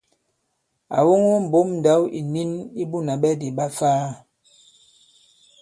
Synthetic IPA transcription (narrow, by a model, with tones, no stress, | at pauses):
a̰˨wo˦ŋo˦m̩˨bo˨˦mn̩˨da˨˦wʔḭ˨ni˦ni˦bu˦na˨ɓɛ˦di˨ɓa˦faː˦